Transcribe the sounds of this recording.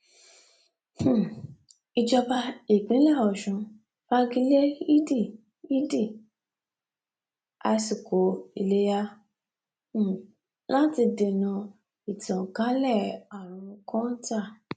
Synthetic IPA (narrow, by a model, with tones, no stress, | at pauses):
h̩˨ | i˧d͡ʒɔ˧ba˧i˨ɡ͡bĩ˨˦lɛ˦˨ɔ˨ʃũ˧˦ | fa˦ɡi˧le˦i˦di˦˨ | i˦di˦˨ | a̰˧si˨ko˨˦i˧le˦ja˦˨ | lã˦ti˧de˨nũ˧ | i˨tɔ̃˨kã˦lɛ˦˨a˨ɾ̃ũ˨˧˦kɔ̃˦n̩˦ta˦˨